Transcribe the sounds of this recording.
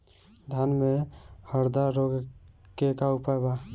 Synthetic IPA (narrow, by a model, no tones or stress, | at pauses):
d̪ʱjanmẽhəɾd̪aɾoɡ | kekaʊpajba